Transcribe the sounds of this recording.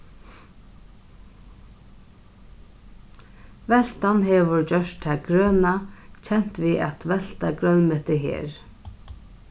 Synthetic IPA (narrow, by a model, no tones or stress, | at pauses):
ʋɛl̥t̪anɦɛʋʏɹd͡ʑœʂt̪ʰaɡɾøːnat͡ɕʰɛn̥t̪ʋiːa̰t̪ʋɛl̥t̪aɡɾœnmɛht̪ɪɦḛːɹ